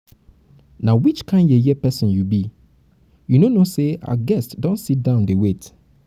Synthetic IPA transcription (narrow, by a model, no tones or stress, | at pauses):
nãwit͡ʃkʰãɪndɛjɛpɛsɔ̃njubi | junonosea̰ɡɛstdɔ̃nsit̚dãʊ̃ndewet